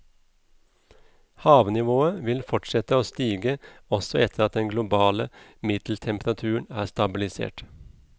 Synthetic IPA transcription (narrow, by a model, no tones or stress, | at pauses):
hɑːʋnɪʋoːəʋɪlfɔʈʃɛt̪əoːst̪iːɡəɔsɔɛt̪ʰəɾɑt̪̚d̪ɛnɡlʊbɑːləmɪd̪̥l̩t̪ʰɛmpɾɑt̪ʰʉːəɳ̩æːst̪ɑbɪlɪsḛːʈ